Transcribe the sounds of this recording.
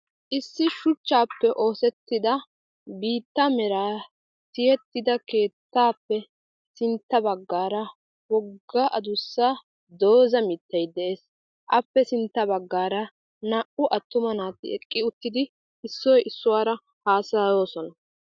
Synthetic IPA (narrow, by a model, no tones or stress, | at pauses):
ʔɪsːɪʃʊt͡ʃːaːpːɛʔo̞ːsɛt̪ːɪd̪ɐ | biːt̪ːɐmɛɾaː | sɪjɛt̪ːɪd̪ɐke̞ːt̪ːaːpːɛ | sɪnt̪ːɐbɐɡːaːɾɐ | wɔɡːaːʔɐd̪ʊsːaː | d̪o̞ːzɐmɪt̪ːɐjd̪ɛʔeːs | ʔɐpːɛsɪnt̪ːɐbɐɡːaːɾɐ | nɐʔʊʔɐt̪ːʊmɐnaːt̪ːɪɛkʼːɪʊt̪ːɪd̪ɪ | ɪsːɔjɪsːʊwaːɾɐ | haːsɐjo̞ːsɔnɐ